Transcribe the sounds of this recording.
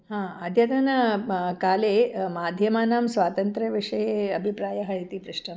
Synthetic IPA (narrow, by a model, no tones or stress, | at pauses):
hãːɐd̪ʱjɐt̪ɐnɐkaːleːmaːd̪ʱjɐmaːnaːmsʋaːt̪ɐnt̪ɾɐʋiʂɐjeɐbʱipɾaːjɐɦɐɦit̪ipɾɪʂʈɐ